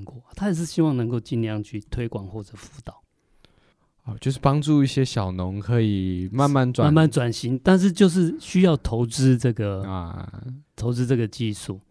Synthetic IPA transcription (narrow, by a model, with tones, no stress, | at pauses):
ŋkwɔ˥˨˩t̪ʰa˥˩˨ʂ̬̩˥˩ɕi˦˥wɑ˥˨ŋnə˧˦ŋko˥˧ʊt͡ɕi˥˧nljɑ˥˧ŋt͡ɕʰy˥˩t̪ʰwe˥ɪkwa˨˩nxwɔ˥˩ʈ͡ʂə˨˩fu˧˥t̪ɑ˨˦ʊ | ɔ˨t͡ɕjo˥˧ʊʂ̬ɻ̩˥˩pɑ˥ŋʈ͡ʂu˥˧i˥˩ɕje˦ɕjɑ˨˩ʊnʊ˨˧˦ŋkʰɤ˧˦i˨˩ma˥˧nma˥˨nwa˨˥˧nma˥˨nʈ͡ʂwa˨˩nɕi˧˦ŋt̪a˥˧nʂ̬ɻ̩˥˧t͡ɕjo˥˧ʊʂ̬ɻ̩˥˩ɕy˥jɑ˥˩ʊt̪ʰo˧˥ʊt͡sɻ̩˥ʈ͡ʂɤ˥˩ɡə˩˧ | t̪ʰo˧˦ʊt͡sɻ̩˦t͡sɤ˥˩ɡə˨˩t͡ɕi˥˧ʂu˥˩